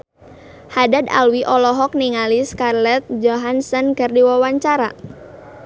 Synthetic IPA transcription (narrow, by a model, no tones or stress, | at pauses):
hadada̰lwiʔɔlɔɦɔk̚niŋaliskarlɛt̪̚d͡ʒɔɦansənkərdiwawaɲt͡ʃaɾa